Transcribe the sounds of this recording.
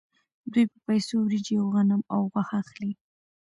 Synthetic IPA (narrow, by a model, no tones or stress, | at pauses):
d̪ujpə̥pajsowɾid͡ʒiwɣanəmawɣwaxaxli